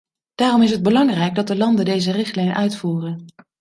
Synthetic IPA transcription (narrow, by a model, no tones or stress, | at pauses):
d̥aːrɔmɪsɦəd̚bəlɑŋrɛjɡ̚dɑt̚dəlɑndəndejzərɪχtlɛjnʔœɥtfuːrən